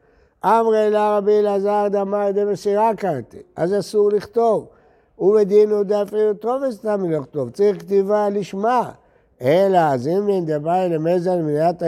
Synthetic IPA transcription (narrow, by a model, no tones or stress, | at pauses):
ʔamʁeilaʁabilazaʁd̪amaed̪ebesiʁakant̪ḭa̰zasuʁliχt̪o̞v | ubed̪inud̪afiut̪ʁovest̪amiloχt̪ovt͡saʁiχkt̪ivaliʃma | elaːzimbend̪ebailemezalminjat̪